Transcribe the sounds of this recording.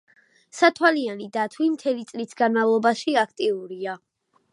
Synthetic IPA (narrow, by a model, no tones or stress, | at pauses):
sat̪ʰwalianid̪at̪ʰwimt̪ʰɛlit̪sʼlisɡanmavlˠɔbaʃiak̚ʰt̪ʼiuɾia